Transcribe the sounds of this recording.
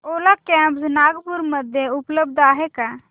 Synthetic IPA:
oːlakɛ̃ːmpsnaːɡpʊɾməd̪ʱjeʊpləb̚d̪aːɦekaː

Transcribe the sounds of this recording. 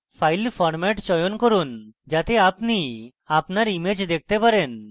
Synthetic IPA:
fʰajlfɔɾmɛʈt͡ɕɔjonkoɾund͡ʑat̪eapni | apnaɾimed͡ʑd̪ek̚ʰt̪epaɾen

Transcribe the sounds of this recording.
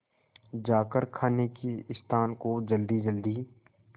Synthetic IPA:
d͡ʒaːkəɾkʰaːnekiɪst̪ʰaːnkod͡ʒəld̪id͡ʒəld̪iː

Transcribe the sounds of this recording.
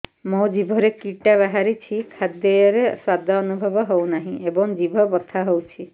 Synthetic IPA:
mɔ̃d͡ʒibʱɔɾekiʈabaɦaɾit͡ʃʰikʰad̪jəjɾeswad̪ʱɔːnubʱɔbɔɦɔwnaɦĩebɔŋd͡ʒibʱɔbɔt̪ʰaɦowt͡ʃʰi

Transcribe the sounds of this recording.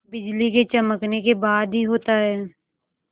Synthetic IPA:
bɪd͡ʒliket͡ʃɐməknekebaːd̪ɦiɦoːt̪aɦɛː

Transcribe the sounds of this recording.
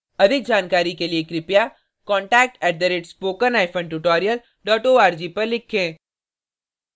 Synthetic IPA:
ɐd̪ʱɪk̚d͡ʒaːnkaːɾikeliekɾɪpja | kɔ̃ːɳʈɛːk̚ʈɛːʈ̚d̪əɾeʈspoːkənaːɪpʰə̃ɳɖʈuʈɔːɾijəl | ɖɔːʈoːaːɾd͡ʒiːpɐɾlɪkʰːẽː

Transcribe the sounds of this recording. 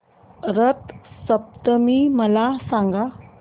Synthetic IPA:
ɾət̪səp̚t̪əmiməlasaŋɡa

